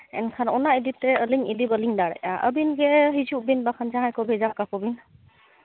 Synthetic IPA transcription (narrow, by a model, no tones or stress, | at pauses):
ɛ̰nkʰanɔnaiditɛəliŋidibəliŋdaɹaʔəbinɡɛɦizubinbakʰanzaɦajkɔbʱɛzap̚kakɔbin